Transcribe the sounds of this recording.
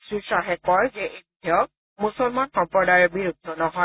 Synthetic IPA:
sɹusaɦɛkɔɹzɛʔebtʰiɔk̚ | musɔlmanxɔmpɹɔdajɔɹbiɹud̪ʱːɔnɔɦɔ

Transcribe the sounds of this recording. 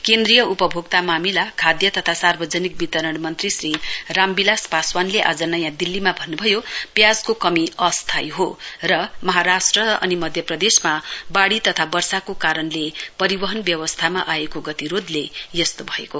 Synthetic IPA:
kend̪rijʌupʌbʱoɡt̪amamilakʰad̪jʌt̪ʌt̪ʰasarbʌd͡zʌnik̚bit̪ʌɾʌɽmʌnt̪risrirambilaspaswanleʔa̰d͡zʌnʌjãd̪ilːimabʱʌnːubʱʌjopjad͡zkokʌmiʌst̪ʰajɦorʌmʌɦaɾasʈrʌʌ̰nimʌd̪ʱjʌprʌd̪esmabaɽit̪ʌt̪ʰabʌrsakokaɾʌnlepʌɾibʌɦʌnbjʌwʌst̪ʰama̰ʔaekoɡʌt̪iɾod̪lejʌst̪obʱʌḛko

